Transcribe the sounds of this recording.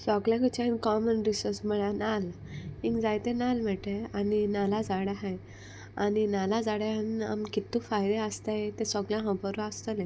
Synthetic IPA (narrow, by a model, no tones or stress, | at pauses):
sɔɡljãkut͡ɕãɦĩnkɔmənɾisɔɾsm̤əɭanal | hĩŋkd͡zajt̪enalm̤ɛʈeaninalad͡zaɽjaɦaj | aninalad͡zaɽjaɦana̰mkit̪ːũfajd̪eəst̪ajet̪esɔɡljãɦə̃pəɾũast̪əlẽ